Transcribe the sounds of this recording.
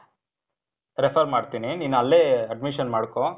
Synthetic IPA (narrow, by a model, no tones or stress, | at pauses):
ɾepʰɐɾmaːɽt̪iːniniːnuɐlːeɐɖmiʃɐnmaːɽko